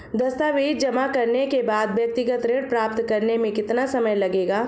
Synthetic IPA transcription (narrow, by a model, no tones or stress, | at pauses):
d̪ɐst̪aʋiːt̪d͡ʒɐmakɐɾnekebaːd̪ʋjɐk̚t̪ɪɡət̪ɾeːɽpɾaːpt̪kɐɾnemẽkɪt̪nasɐməjlɐɡeːɡaː